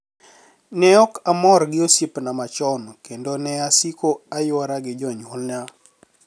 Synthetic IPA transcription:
nɛɔkamɔrɡɪosipnamat͡ʃɔnkendonɛasikoajwaɾaɡɪd͡ʒɔɲwɔlna

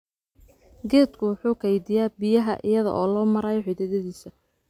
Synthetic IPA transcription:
ɡɛːd̪kʰʊwʊħuːkʰɐjd̪ɪjaːbɪjɐɦɐʔɪ̰jɐðɐ̰ʔɔːlɔːmɐɾɐjʕɪd̪ɛðɐðiːsɐ

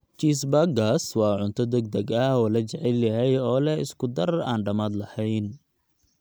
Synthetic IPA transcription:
t͡ʃiːs̬bɐɡaːswɑːʕʊnt̪ʰɔd̪ɐɡd̪ɐɡɐhɔːlɐt͡ʃɛʕɛljɐɦɛjɔːlɛɪ̰skʊd̪ɐraːnɖɐmaːd̪lɐhɛjn

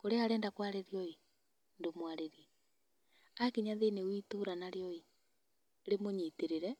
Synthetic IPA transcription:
koɾeaɾɛːndakwaɾeɾiɔi | ndomwaɾeɾiɛ | akiɲaðenewiːtoɾanaɾeɔi | ɾemoɲiteɾeɾɛ

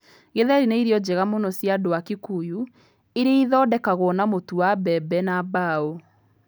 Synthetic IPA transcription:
ɣeðɛɾineiɾjɔd͡ʑeɣamonɔsjadowakekuju | eɾeiðɔːdɛkaɣwɔːnamotuwabɛbɛnabao

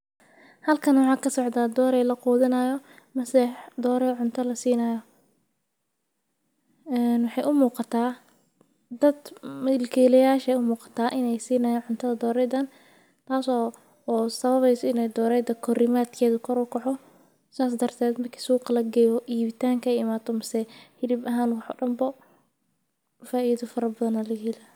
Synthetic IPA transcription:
hɐlkʰɐnwɑħɑːkʰɐsɔʕd̪aːd̪ɔːɾɛjlɐquːðɪnɐjɔ | mɐsɛħd̪ɔːɾɛʕʊnt̪ʰɐlɐsiːnɐjɔ | ɛːnwɑħɑjʔʊmuːqɑt̪ʰaː | d̪ɐd̪mɐlkʰɛːlɛjaːʃɛjʊmuːqɑ̥t̪ʰaːʔɪnɛjsiːnɐjɐnʕʊnt̪ʰɐðɐd̪ɔːɾɛjðɐn | t̪ʰaːsɔː | sɐβɐβɛjsɔɪnɛjd̪ɔːɾɛjd̪ɐkʰɔɾɪmaːd̪kʰɛːðʊkʰɔɾɔkʰɔħɔ | saːs̬d̪ɐrt̪ʰɛːd̪mɐrkʰi̥suːqlɐɡɛːjβɔʔiːβɪt̪ʰaːŋkʰɐɛjɪmaːt̪ʰɔmɐsɛhɪlɪbɐɦaːnwɑħɔ̰ːɖɐmbɔ | faːʔiːðɔfɐɾɐbɐðɐnɐlɐɡila

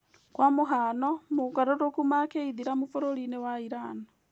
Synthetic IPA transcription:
kwamuɦanomukaɾoɾokumakeiðiɾamufoɾolinewaiɾaːna

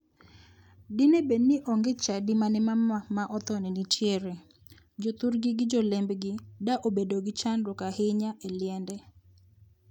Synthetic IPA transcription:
dɪnebenːɪʔɔŋɡet͡ʃadimanɪmamamaʔɔt̪ɔnɛnit͡ʃjeɾe | d͡ʒot̪uɾɡɪɡɪd͡ʒɔlɛmbɡɪdaʔobedoɡɪt͡ʃanɾɔkahɪɲaʔelɪɛndɛ

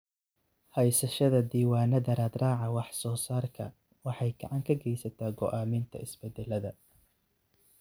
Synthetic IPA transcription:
hɛjsɐʃɐðɐd̪iːwaːnɐd̪ɐɾɐd̪raːʕɑwɑħsɔːsaːrkʰɐ | wɑħɑjɡɐʕɑŋkʰɐɡɛjsɐt̪ʰaːɡɔʔaːmɪnt̪ʰɐ̰ɪsbɛd̪ɛlɐðɐ

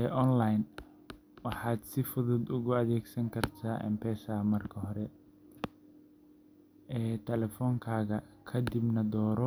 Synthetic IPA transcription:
ɛːʔɔnlajn | wɑħɑːd̪sɪfʊðʊd̪ʊɣʊɐðɛːɡsɐŋkʰɐrt̪ʰaːʔɛ̰mpʰɛːsaːmɐrkʰɐɦɔɾɛ | ɛːt̪ʰɛlɛfɔːŋkʰaːɣɐkʰɐd̪ɪbnɐd̪ɔːɾɔ

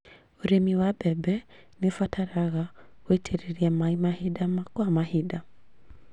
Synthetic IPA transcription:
oɾemiwabɛbɛ | nifwatʰaɾaɣaoitʰɛɾiɾiɛmaimahidamakɔamahida

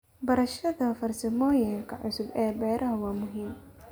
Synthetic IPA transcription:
bɐɾɐʃɐðɐfɐrsɐmɔːjɐŋkʰɐʕʊsʊbɛːbɛːɾʔɐɦɐwɑːmʊɦiːm

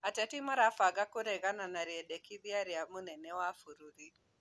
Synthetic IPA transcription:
atɛtimaɾafaɡakuɾɛɡananaɾiɛdɛkibiaɾiamunɛnɛwafuɾuɾi

